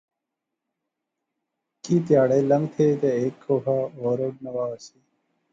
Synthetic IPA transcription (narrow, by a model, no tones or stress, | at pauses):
kiːt̪jaːɽeːlɐ̃ŋɡt̪ʰeːt̪eeːkʰːoːɦaːoːɾoːɖ̚nɐwaːsiː